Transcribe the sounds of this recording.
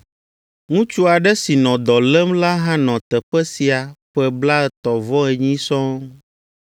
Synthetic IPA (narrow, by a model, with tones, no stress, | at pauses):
ŋũ˦t͡ʃu˦a˨ɖɛ˦si˨nɔ̃˨d̪ɔ˨lɛ˦mla˦ɦã˦nɔ̃˨t̪ɛ˨ɸɛ˦si˨a˨ɸɛ˦bla˦ɛ˨t̪ɔ˨vɔ˦ɛ˨ɲĩ˦sɔ̃˦